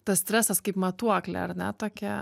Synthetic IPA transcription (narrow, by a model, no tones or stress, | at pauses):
t̪ɐssʲt̪ʲɾʲæːsɐskɐɪpmɐt̪uɔklʲɛ̰ɐɾnʲɛ̰t̪oːkʲɛ